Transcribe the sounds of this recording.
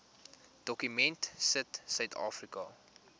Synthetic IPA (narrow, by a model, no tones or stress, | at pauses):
d̥ɔkymɛntsətsœɥtʰɑ̰ːfrikɐ